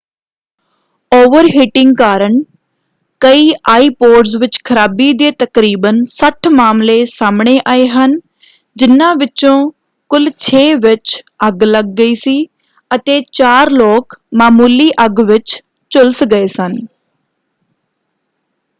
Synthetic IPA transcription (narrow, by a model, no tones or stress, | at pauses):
oːʋəɾɦɪʈɪŋɡkaːɾəɳ | kəiːʔaːiːpoːʈsʋɪt͡ʃkʰəɾaːbiːd̪eːt̪əkɾiːbənsəʈʰmaːmleːsaːmɳeːʔaːeːɦən | d͡ʒɪnːãːʋɪt͡ʃõː | kʊlt͡ʃʰeːʋɪt͡ʃ | əɡləɡ̚ːəiːsiː | ət̪eːt͡ʃaːɾloːkmaːmuːliːʔəɡʋɪt͡ʃ | t͡ʃʊlsɡəeːsən